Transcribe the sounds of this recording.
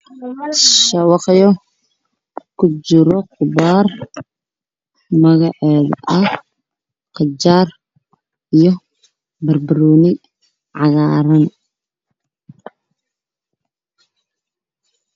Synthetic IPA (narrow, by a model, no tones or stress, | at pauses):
ʃɐwɑqjɔ | kʰʊt͡ʃɪɾɔqʊbaːr | mɐɣɑʕɛːð̰ʔɐ | qɑt͡ʃaːr | ijɔ | bɐrbɐɾuːnɪ | ʕɑɣaːɾɐn